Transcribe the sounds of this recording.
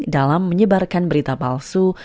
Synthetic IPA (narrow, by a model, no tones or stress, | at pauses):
dalamːəɲəbarkanbəɾit̪apalsu